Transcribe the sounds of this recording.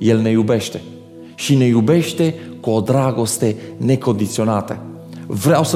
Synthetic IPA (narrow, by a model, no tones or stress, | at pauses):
jelnejubeʃt̪e | ʃinejubeʃt̪e | kuod̪ɾaɡost̪enekond̪it̪sionat̪ə̰ | vɾawsə